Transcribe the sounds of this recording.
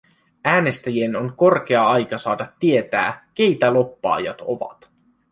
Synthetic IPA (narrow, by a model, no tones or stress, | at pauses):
æːne̞st̪æjie̞no̞ŋko̞rk̟e̞ɑɑjkɑsɑːdɑt̪ːie̞t̪æ̰ːk̟e̞jt̪ælo̞pːɑ̰ːjɑ̰t̪o̞̰ʋɑ̰t̪